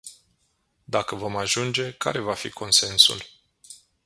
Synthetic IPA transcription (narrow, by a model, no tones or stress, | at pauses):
d̪akəvo̞maʒund͡ʒe̞ka̰ɾe̞vafḭkʰo̞nse̞nsṵl